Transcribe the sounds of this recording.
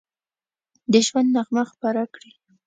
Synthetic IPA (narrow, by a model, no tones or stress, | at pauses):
d̪əʒwand̪naxmaxpaɾakɽi